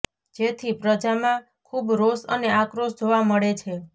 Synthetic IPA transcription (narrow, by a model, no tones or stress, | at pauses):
d͡ʒet̪ʰipɾəd͡ʒamã | kʰubɾosəneakɾosd͡ʒoʋaməɭet͡ʃʰe